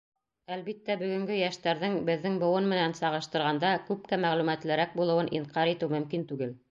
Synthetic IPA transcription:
ælβit̪ːæbɵ̆ɡɵ̆ŋɡɵjæʃt̪æɾðɘŋbɘ̆ðːɘŋbŏwɤnmɘ̆nænsɑʁɤ̆ʃt̪ɤ̆ɾʁɑnd̪ɑkʉp̚kæmæʁlʉmæt̪lɘ̆ɾæk̚bulˠɤ̆wɤnʔḭɴqɑɾit̪ɘwmɵ̆mkint̪ʉɡɘl

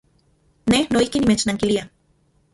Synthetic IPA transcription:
nehnoihkinimet͡ʃnaŋkilia

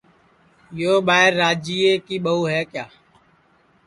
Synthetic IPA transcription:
joːɓaːɦɪɾːaːd͡ʒiːeːkiːɓəuːɦɛːkjaː

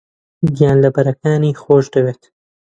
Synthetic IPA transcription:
ɡijaːnlɐbɐɾɐkaːniːxoːʃd̪ɐweːt̪

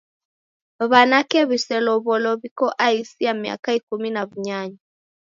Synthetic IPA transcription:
βanakɛβisɛlɔβɔlɔβikɔʔaisijamia̰kaikuminaβuɲaɲa

